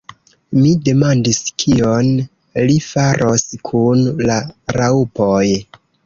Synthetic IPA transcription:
mide̞mandiskʰio̞n | lifaɾʔoskʰunlaɾaupoj

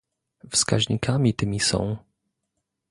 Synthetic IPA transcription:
fska̰ʑɲikʰamʲit̪ɘmʲisɔ̰̃w̃

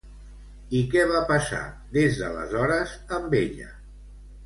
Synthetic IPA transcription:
ikɛβapəsa̰ | ðezðələ̰zɔɾəz | əmbeʎə̰

